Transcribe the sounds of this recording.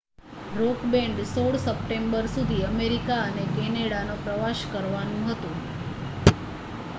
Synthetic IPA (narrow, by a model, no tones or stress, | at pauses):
ɾokbẽɳɖsoɭsəp̚ʈembəɾsud̪ʱiəmeɾikaənekɛneɽanopɾəʋaʃkəɾʋanũɦət̪ũ